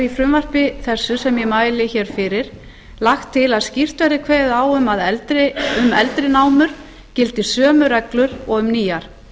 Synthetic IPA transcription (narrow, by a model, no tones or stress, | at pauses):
ifɾʏmvar̥pɪθɛsːʏsɛmjɛmaːjlɪçɛːɾ̥fɪɾɪɾ̥ | laxt̪ʰːɪlaðscir̥t̪aɾɪkʰveːjðaːwʏmaðɛlt̪ɾɪʏmɛlt̪ɾɪnaːwmʏɾ̥ | cɪlt̪ɪsœːmʏɾɛklʏɾɔɣʏmniːjaɾ̥